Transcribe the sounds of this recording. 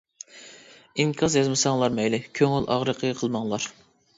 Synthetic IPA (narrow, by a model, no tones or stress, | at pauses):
iŋkʲʰɑzjɑzmɨsɑŋlˠɑɾmɛjlɪkʲʰøŋylʔɑ̰ʁɾəqʰəqʰəlˠmɑŋlˠɑɾ